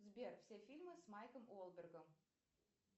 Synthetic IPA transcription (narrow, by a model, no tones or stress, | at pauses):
zbʲerfsʲefʲilʲmɨsmajkəmolˠbʲerɡəm